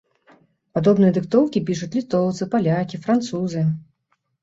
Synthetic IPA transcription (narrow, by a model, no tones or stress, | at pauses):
pad̪ɔbnɨjɐd̪ɨkt̪ɔwkʲipʲiʂut͡sʲlʲit̪ɔwt̪sɨpalʲakʲifɾant̪suzɨ